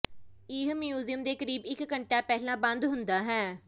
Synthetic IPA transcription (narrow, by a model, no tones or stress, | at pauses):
iːɦmjuːzijəmd̪eːkəɾiːbɪkːəɳʈaːpɛːlãːbə̃nd̪ɦʊnd̪aːɦɛː